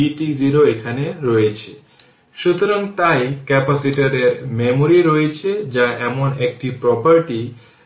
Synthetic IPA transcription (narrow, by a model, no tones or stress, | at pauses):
iʈiziɾoekʰaneɾɔjet͡ɕʰe | ʃut̪oɾaŋt̪ajkɛpasiʈaɾeɾmemoɾiɾɔjet͡ɕʰed͡ʑaʔɛmonek̚ʈipɾɔpaɾʈi